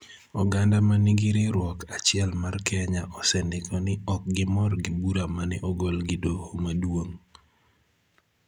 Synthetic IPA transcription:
ɔɡandamanɪɡiɾɪɾwɔkat͡ʃɪɛlmarkʰɛɲaʔɔsɛndɪkʰɔnɪɔk̚ɡɪmɔrɡɪbuɾamanɪʔɔɡolɡɪdohomadwoŋ

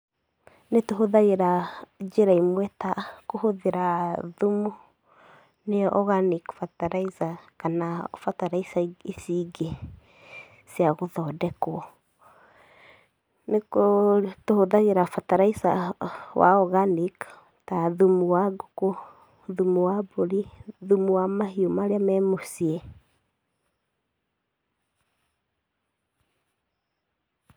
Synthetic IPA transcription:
netoɦoðaɣeɾad͡ʒeɾaimwɛtakohoðeɾaðumu | neɔʔɔɣanikfataɾaisakanafataɾaisaesiɡe | siaɣoðɔːdɛkwɔ | nekotohoðaɣeɾafataɾaisa̰wa̰ɔɣanik | taðumuwaɡoko | ðumuwaboɾiðumuwamaɦiomaɾeamɛmosiɛ

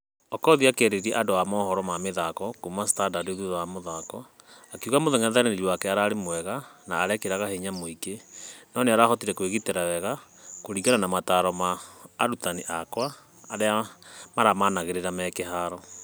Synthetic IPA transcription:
ɔkɔðiakɛɾeɾiɛ̰ʔadoamɔhɔɾɔmameðakɔkumastadadeðuðaamoðakɔ | akuɣamoðɛŋaðaɾeneɾiwakɛaɾaɾemwɛɣanaːɾɛkeɾaɣaheɲamoikenɔneaɾaːhɔtiɾɛkweɣiteɾawɛɣakoɾiɣananamataɾɔmaːɾutaniʔakwaː | ɾeamaɾamanaɣeɾeɾamɛkɛɦaɾɔ

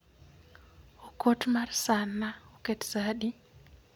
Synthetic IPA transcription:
okotmarsanːaoketsaɗi

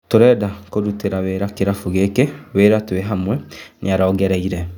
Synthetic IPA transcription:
toɾɛdakoɾuteɾaweːɾakeɾafuɣekeβeɾatweɦamwɛniaɾaːɡɛɾɛiɾɛ

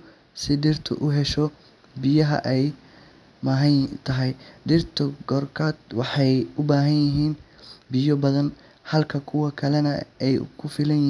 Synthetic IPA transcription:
sɪɖɪrt̪ʰʊ̰ʔʊɦɛʃɔ | bɪjɐɦɐ̰ʔɛj | mɐːɦɐt̪ʰɐɦɛjɖɪrt̪ʰʊɡɔːrkʰaːd̪wɑħɑjʊbaːɦɐnjɪɦiːnbɪjɔbɐðɐn | hɐlkʰɐkʰʊwɐkʰɐlɛnɐɛjkʰʊfɪlɐnj

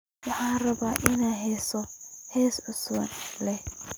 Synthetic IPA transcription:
wɑħaːnrɐbaːʔɪnaːɦɛːsɔhɛːsʕʊswɐ̰nlɛ

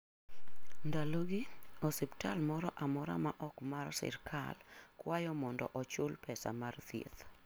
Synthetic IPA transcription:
ndaloɡɪɔsɪptalmɔɾɔʔamɔɾa̰maʔɔkmarsɪ̰rkʰa̰lkwajɔmɔndɔ̰ʔɔt͡ʃʊlpʰɛsa̰mart̪jḛt̪

